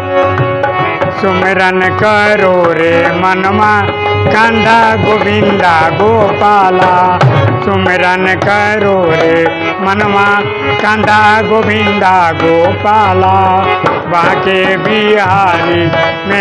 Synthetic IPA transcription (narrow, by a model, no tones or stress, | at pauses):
sʊmeɾɐnkəɾoːɾemɐnmã | kãːnd̪aɡobʱĩnd̪aːɡoːpaːlasʊmeɾɐnkəɾoːɾe | mɐnmã | kãːnd̪aɡobʱĩnd̪aːɡoːpaːlaː | bãːkebiɦaːli | me